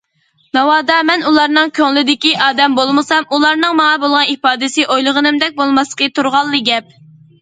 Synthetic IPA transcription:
nɑwɑːd̪ɑmɛnulˠɑɾnɨŋkʲʰøŋlɪd̪ɪkʲiʔɑːd̪ɛmbolˠmɨsɑmʔulˠɑɾnɨŋmɑŋɑbolˠʁɑnipɑːd̪ɪsɨʔojlˠəʁənɨmd̪ɛk̚ʲbolˠmɑslə̥qət̪ʰuɾʁɑlˠːɨɡʲɛp̚

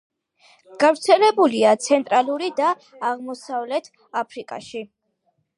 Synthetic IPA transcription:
ɡ̥avɾt̪sʰɛlɛbuliat̪sʰɛnt̪ʼɾalˠuɾid̪aː | ʁmɔsavlɛt̪ʰ | apʰɾikʼa̰ʃi

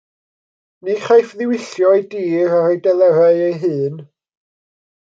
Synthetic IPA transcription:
niχajfðɪwɪɬjɔjdiːɾaɾejdɛlˠɛɾaɨejɦɨːn

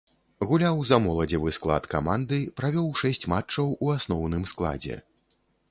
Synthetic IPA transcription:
ɣulʲawzamɔlˠɐd͡zʲɛvɨsklˠa̰t̪kamand̪ɨpɾavʲɔwʂɛsʲt͡sʲmat͡ʂːɐwuasnɔwnɨmsklˠa̰d͡zʲɛ̰

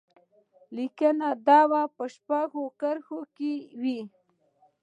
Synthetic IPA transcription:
likənad̪ɑwapəʃpaɣokəɾxokewi

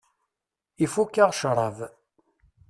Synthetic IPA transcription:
ifukːaʁʃɾˤɑv

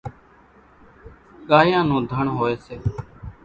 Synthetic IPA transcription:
ɠaːjãːnũːd̪ʱəɳɦoːeːseː

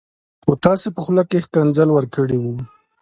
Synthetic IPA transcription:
xot̪ɑsepəxlakːexkanzalwəɾkəɽewu

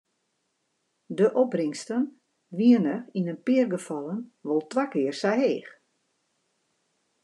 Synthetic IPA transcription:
dəʔɔbrɪŋstən | ʋiənəinənpɪərɡəfɔlˠənʋolˠtʋakɪərsaɦeːx

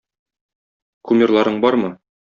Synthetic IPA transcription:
kumʲirlˠɑɾɤɴbɒɾmɤ

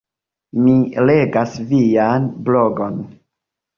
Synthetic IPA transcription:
mile̞ɡasvijanbloɡon

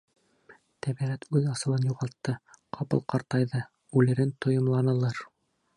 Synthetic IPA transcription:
t̪æbiʁæt̪ʉðɑsɤ̆lˠɤnjuʁɑlˠt̪ːɤqʰɑpɤ̰lˠqɑɾt̪ɑjðɤ | ʉlɘ̆ɾɘnt̪ŏjŏmlˠɑnɤ̆lˠɤɾ

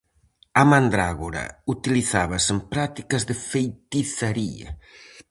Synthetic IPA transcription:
amand̪ɾaɣoɾɐ̰ut̪iliθaβɐsempɾat̪i̥kɐzðɪfejt̪iθaɾiɐ̰

